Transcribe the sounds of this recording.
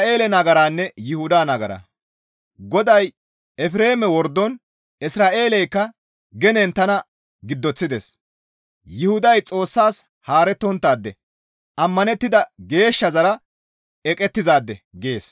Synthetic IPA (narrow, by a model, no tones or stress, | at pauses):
e̞ːlɛnɐɡɐɾaːnːɛjɪhʊd̪aːnɐɡɐɾa̰ | ɡɔd̪ɐj | ɛfɾe̞ːmɛwɔɾd̪ːɔn | ɪsɾaːʔe̞ːlɛjkːɐ | ɡɛnɛnt̪ːɐnɐ | ɡɪd̪ːɔt͡sːɪd̪ḛs | jɪhʊd̪ɐjt͡sʼo̞ːsːaːs | haːɾɛt̪ːɔnt̪ːaːd̪ːɛ | ʔɐmːɐnɛt̪ːɪd̪ɐɡe̞ːʃːɐzɐɾɐ | ɛkʼɛt̪ːɪzaːd̪ːɛɡe̞ːs